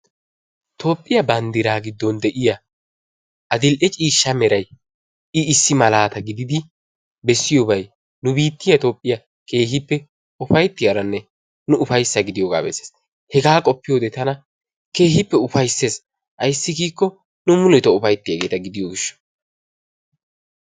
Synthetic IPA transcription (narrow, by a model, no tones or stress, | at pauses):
t̪ʰo̞ːpʼːɪjɐbɐnd̪ɪɾaːɡɪd̪ːɔnd̪ɛʔɪjɐ | ʔɐd̪ɪlʔɛt͡ʃʼiːʃːɐmɛɾɐj | ɪɪsːɪmɐlaːt̪ɐɡɪd̪ɪd̪ɪ | bɛsːɪjobɐj | nʊbiːt̪ːɪjɐt̪o̞ːpʼːɪjɐ | ke̞ːɦɪpːɛ | ʊfɐjt̪ːɪjɐɾɐnːɛ | nʊʊfɐjsːɐɡɪd̪ɪjoːɡa̰ːbɛ̰sːeːs | hɛɡaːkʼɔpːɪjo̞ːd̪ɛt̪ɐnɐ | ke̞ːɦɪpːɛʊfɐjsːe̞ːs | ʔɐjsːɪɡiːkːɔ | nʊmʊlɛt̪ɔʊfɐjt̪ːɪjɐɡe̞ːt̪ɐɡɪd̪ɪjoɡɪʃːɔ̥